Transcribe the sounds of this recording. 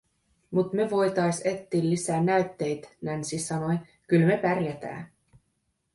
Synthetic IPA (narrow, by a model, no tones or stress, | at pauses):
mut̪meʋo̞jt̪ɑjset̪ːiːlːisæːnæɥt̪ːe̞jt̪nænsisɑno̞j | kylme̞pærjæt̪æ̰ː